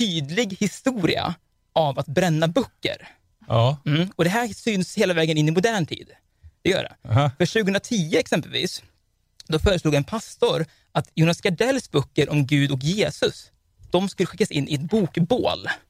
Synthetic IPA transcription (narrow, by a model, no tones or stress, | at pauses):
t̪ʰyːd̪lɪɡhɪst̪uːɾɪ̰a̰ | ʔavat̪̚bɾɛnːabœkːə̰ɾ | m̩ːɔd̪ɛɦæːsyːnsheːlavɛːɡənɪnːɪmʊd̪æːɳʈ̪ʰḭːd̪ | d̪̥ɛjœ̰ːɖɛ̰fœʂʉ̟ːɡəhɵənɾat̪ʰiːʊɛksɛmpəlvḭːs | d̪ɔfœːɾəsluːɡɛnpʰast̪ʊɾ | ʔat̪juːnaskaɖɛlːsbœkːəɾʔɔmɡʉ̟ːd̪ɔk̬jeːsɵs | d̪̥ɔmskɵlːəɧɪkːasɪnʔɪɛt̪buːkbo̰ːl